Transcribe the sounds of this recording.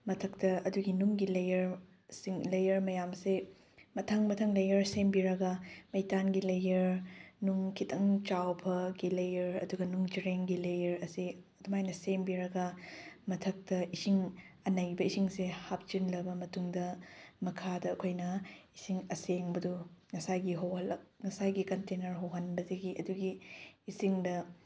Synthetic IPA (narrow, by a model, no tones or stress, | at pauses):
mɐtʰɐk̚tɐɐduɡinuŋɡilɐjɐɾ | siŋlɐjɐɾmɐjamse | mɐtʰɐŋmɐtʰɐŋlɐjɐɾsembiɾɐɡɐmɐjtanɡilɐjɐɾnuŋkʰitʰɐŋt͡ʃawbʰɐɡilɐjɐɾɐ̰duɡɐnuŋd͡ʒiɾeŋɡilɐjɐɾɐsiɐdumajnɐsembiɾɐɡɐmɐtʰɐk̚tɐisiŋɐnɐjbɐisiŋsehap̚t͡ʃinlɐbɐmɐtuŋdɐmɐkʰadɐːkʰojnɐisiŋɐseŋbɐduŋɐsajɡiɦowhɐlɐk̚ŋɐsajɡikɐntenɐɾɦɐwɦɐnbɐdɐɡiʔɐduɡiːsiŋdɐ